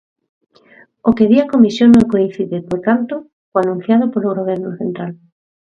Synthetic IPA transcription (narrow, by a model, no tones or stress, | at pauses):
okeðiakomisjoŋnoŋkoinθiðepoɾt̪ant̪o | oanũn̟θjað̞opoɾoɣoβ̞ɛɾnoθent̪ɾal